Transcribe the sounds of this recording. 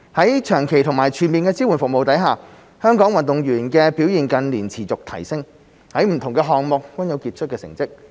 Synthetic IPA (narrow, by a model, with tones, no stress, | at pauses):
hɐ˨˥jt͡ʃʰœː˨˩ŋkʰe˨˩jt̪ʰʊ˨˩ŋmaː˨˩jt͡ʃʰyː˨˩nmiː˨nkɛː˧t͡si˥wu˨˩nfʊ˨k̚mo˨wt̪ɐ˨˥jɦaː˨ | hœː˥ŋkɔː˨˥ŋwɐ˨nt̪ʊ˨ŋjyː˨˩nkɛː˧pi˨˥wjiː˨nkɐ˧nliː˨˩nt͡sʰiː˨˩t͡sʊ˨k̚t̪ʰɐ˨˩jsɪ˥ŋ | hɐ˨˥jm̩˨˩t̪ʰʊ˨˩ŋkɛː˧ɦɔː˨ŋmʊ˨k̚ːɐ˥njɐ˨˧wkiː˧t̚t͡ʃʰt̚kɛː˧sɪ̰˨˩ŋt͡sɪ˥k̚